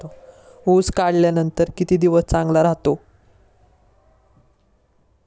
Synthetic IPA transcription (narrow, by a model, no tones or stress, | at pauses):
o | ud͡zkaɽljanənt̪əɾkit̪iːd̪iʋəst͡sãŋɡlaɾaɦt̪o